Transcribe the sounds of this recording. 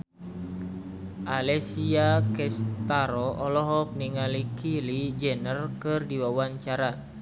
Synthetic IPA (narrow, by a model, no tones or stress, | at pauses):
ʔalɛsiakɛst̪aɾɔɔlɔɦɔk̚niŋalikilid͡ʒɛnərkɨrdiwawaɲt͡ʃaɾa